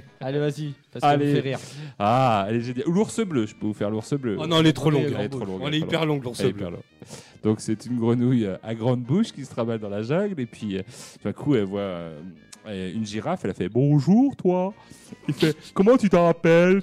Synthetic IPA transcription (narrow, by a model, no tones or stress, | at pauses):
alevazi | alefɛʁiʁaɛlɛʒenjaluluʁsəbløʒə̥pəvufɛʁluʁsəblønɔ̃ɛlɛt̪χolɔ̃ɡɡɛlɛolɔ̃ɡɛlɛipɛʁlɔ̃ɡluʁsɛɛipɛ̰ʁlɔ̰̃ɡd̪̥ɔ̃ksɛt̪ynɡʁənujøaɡʁɑ̃d̪buʃkʲisə̥t̪χavald̪ɑ̃laʒaɡlepɥiø̃fɛ̃kʰuɛlvwaø̰ɛynʒiʁafɛlafɛbɔ̃ʒuʁt̪wakifɛkɔmɑ̃t̪yt̪əʁapɛl